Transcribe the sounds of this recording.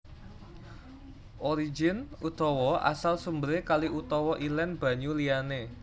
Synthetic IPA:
ʔoɾid͡ʒɪnut̪ɔwɔʔa̰salsumbəɾekaliut̪ɔwɔʔilɛnb̥a̤ɲuliane

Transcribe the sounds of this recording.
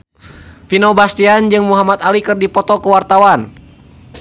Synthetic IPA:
finɔbast̪iand͡ʒɨŋmuɦamat̪alikɨrdipɔt̪ɔkuwart̪awan

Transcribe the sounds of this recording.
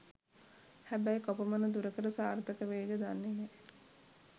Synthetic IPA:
hæbæjkopəmənəd̪uɾəkəɾəsaːrt̪əkəʋeːɡəd̪anːeje

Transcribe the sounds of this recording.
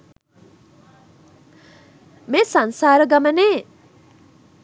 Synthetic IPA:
mesʌnsaɾʌɡʌmʌne

